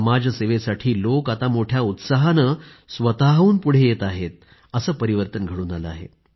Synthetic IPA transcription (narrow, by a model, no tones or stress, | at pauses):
mad͡ʑʱəseʋesaʈʰiːlokat̪amoʈʰjaut̪saɦanə | sʋət̪aɦuːnpuɽ̤ejet̪aɦet̪̚ | əsəːpəɾiʋəɾt̪ənɡʱəɽuːnaləa̰ɦḛ